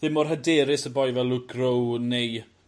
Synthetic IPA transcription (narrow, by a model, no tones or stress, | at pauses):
ðɪmɔrɦədɛːɾɪsəbɔjvɛlˠʊɡrownej